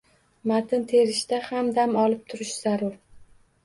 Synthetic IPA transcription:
mat̪ʰɪnt̪ʰeɾɪʃt̪ahamd̪amɒlɪp̚t̪ʰʊɾɪʃz̥aɾʊɾ

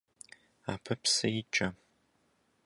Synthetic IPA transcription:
a̰ːpʰɐpʰsɐjɪt͡ʃʼɐ

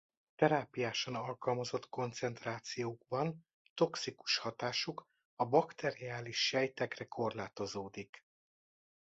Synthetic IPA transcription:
t̪ɛɾaːpijaːʃɒnɒlkɒlmɒzo̞t̪ko̞nt̪sɛnt̪raːt̪sijoːɡbɒn | t̪o̞ksiku̥ʃhɒt̪aːʃuk | ɒbɒkt̪ɛɾiaːliʃːɛjt̪ɛkrɛkʰo̞rlaːt̪o̞zoːd̪ik

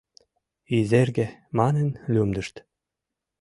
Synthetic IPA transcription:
izerɡʲĕmɑnə̆nlʲumd̪ə̆ʃt̪

